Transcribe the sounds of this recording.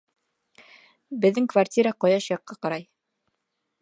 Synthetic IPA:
bɘ̆ðːɘŋkvartʲiɾaqɑjɑʃjɑqːɑqɑɾɑj

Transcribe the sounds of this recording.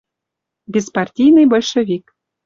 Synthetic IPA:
bʲespɑrtʲijnɨjbolʲʃevʲik

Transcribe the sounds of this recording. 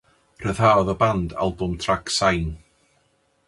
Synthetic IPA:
r̥əðaɔðəbanda̰lˠbʊmtʰraɡsajn

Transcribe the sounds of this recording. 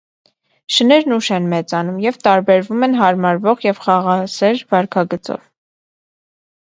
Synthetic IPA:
ʃənɛɾnuʃɛnmɛt͡sɑnumjɛvt̪ɑɾbɛɾvumɛnɦɑɾmɑɾvɔʁjɛvχɑʁɑsɛɾvɑɾkʰɑɡət͡sɔ̰v

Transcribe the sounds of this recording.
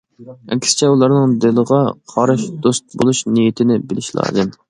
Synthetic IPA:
ɛ̰kʲʰsɪ̥t͡ʃʰɛulˠɑɾnɨŋd̪ɪlˠəʁɑqʰɑɾɨʃd̪̥ost̪̚bolˠuʃnijit̪ʰɪnɪbɪlɪʃlˠɑ̰ːd̪ɨm

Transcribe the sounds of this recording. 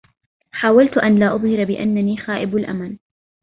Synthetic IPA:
ħaːwalt̪ʔanlaːʔʊðˤhɪɾbɪʔa̰nːaniːxaːʔɪbalʔa̰man

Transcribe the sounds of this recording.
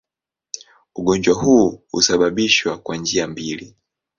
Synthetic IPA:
uɡɔnd͡ʒwaɦuhṵsaɓaɓiʃwakwand͡ʒiambili

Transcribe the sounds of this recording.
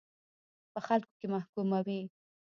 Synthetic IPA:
pəxalko̥kemahkumawi

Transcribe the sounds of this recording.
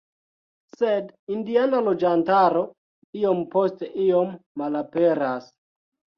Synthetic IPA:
sedindianalod͡ʒantaɾo̞ | io̞mpo̞steʔio̞mːalape̞ɾas

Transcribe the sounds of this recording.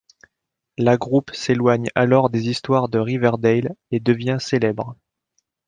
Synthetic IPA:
laɡʁupselwaɲalɔʁd̪ezist̪waʁd̪əʁivɛʁd̪ɛjled̪əvjɛ̃selɛbʁ

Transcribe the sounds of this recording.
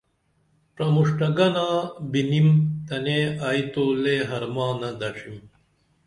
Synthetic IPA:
pɾɐmuʂʈɐɡɐnaːbinimt̪ɐneajt̪oːleɦɐɾmãːnɐd̪ɐʂim

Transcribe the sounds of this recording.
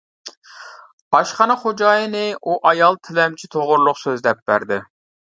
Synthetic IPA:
bɑʃχɑnɨχod͡ʒɑːjinɪuʔɑjɑlˠt̪ʰɪlɛmt͡ʃʰit̪ʰoʁʊɾlˠʊqsøzd̪ɛp̚bæ̰ɾd̪ɪ

